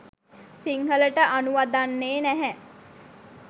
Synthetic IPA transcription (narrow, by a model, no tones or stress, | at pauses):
siŋɦələʈəʔanuʋad̪anːeːnæɦɛ